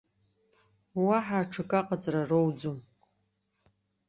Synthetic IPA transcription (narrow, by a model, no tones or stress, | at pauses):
waħaʈ͡ʂʰɨkʼaqʼad͡zʼrarowd͡zum